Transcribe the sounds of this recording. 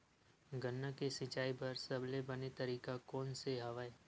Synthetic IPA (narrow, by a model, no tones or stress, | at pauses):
ɡənːakesɪt͡ʃaːipɐɾsɐblebɐnet̪ɐɾiːkakɔːnseɦɐʋaeː